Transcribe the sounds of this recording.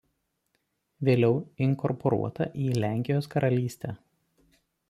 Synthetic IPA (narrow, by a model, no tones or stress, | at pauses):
ʋʲeːlʲɛʊɪŋkɔɾpʰɔɾṵɔt̪ɐʔiːlʲæˑŋʲkʲɪjoːskɐɾʔɐlʲiːsʲt̪ʲɛː